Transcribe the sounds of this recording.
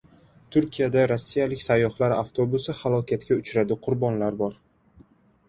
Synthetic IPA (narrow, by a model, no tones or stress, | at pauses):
t̪ʰʊɾkʲijad̪aɾosːijalɪkʲsajːɒhlaɾaft̪ʰo̞bʊsɪhalˠɒkʲʰat̪kʲaʊt͡ʃɾad̪ɪqʰʊɾbɒnlaɾbɒɾ